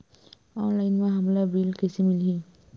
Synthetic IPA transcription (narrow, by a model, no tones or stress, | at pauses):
ɔnlajnmaɦamlabɹilkesimilɦi